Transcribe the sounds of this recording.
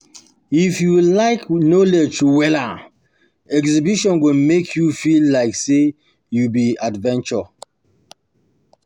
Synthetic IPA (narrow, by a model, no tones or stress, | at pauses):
ifjulaɪknoled͡ʒtuwɛla | ɛkzibiʃɔ̃nɡẽmekʰjufilːaɪkse | jubiadvɛ̃nt͡ʃɔ